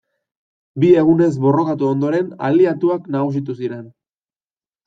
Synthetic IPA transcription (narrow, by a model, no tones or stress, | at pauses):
bie̞ɣune̞zβo̞ro̞kat̪uo̞nd̪o̞ɾe̞na̰liat̪uaknaɣusit̪us̬iɾe̞n